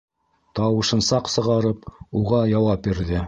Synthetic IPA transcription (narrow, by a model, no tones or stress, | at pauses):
t̪ɑwɤ̆ʃɤ̆nsɑqsɤ̆ʁɑɾɤp̚uʁɑjɑwɑp̚biɾðɘ